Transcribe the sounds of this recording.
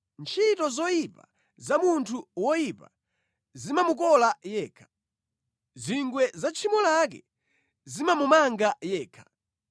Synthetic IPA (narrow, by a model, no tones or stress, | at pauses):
nt͡ʃʰitɔzɔjipa̰ | zamuntʰuwɔjipa | zimamuk̬ɔlajɛːkʰḁ | ziŋɡwɛzat͡ʃʰimɔlak̬ɛ̰ | zimamumaŋɡajɛːkʰḁ